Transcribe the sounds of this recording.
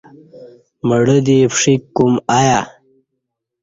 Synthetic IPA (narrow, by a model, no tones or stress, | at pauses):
məɽəd̪epʂikːumaja